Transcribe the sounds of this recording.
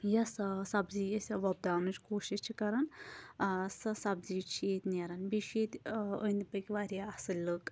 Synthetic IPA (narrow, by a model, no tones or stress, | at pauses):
jɐssɐbzijɐsʲɐʋɐb̚d̪aːwnɨt͡ʃkoːʃiʃt͡ʃʰikɐɾɐn | sɐsɐbzit͡ʃʰijet̪ʲneɾɐnbiʃet̪ʲənʲd̪bɐkʲʋaːɾʲjaɐsɨlʲlɨk